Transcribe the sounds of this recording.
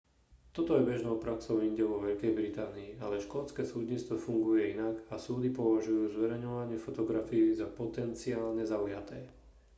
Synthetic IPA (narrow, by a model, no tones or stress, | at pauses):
t̪ɔt̪ɔjɛbɛʒnɔʊpɾaksɔʊiɲɟɛʋɔʋɛʎkɛjbɾit̪aːniːa̰lɛʃkɔlt͡skɛːsuːd̪ɲit͡st̪ʋɔfuŋɡujɛinaɡasuːd̪ipɔʋaʒujuːzʋɛɾɛjɲɔʋaɲɪɛfɔt̪ɔɡɾafiizapɔt̪ɛnt͡siaːlɲɛzaujat̪ɛː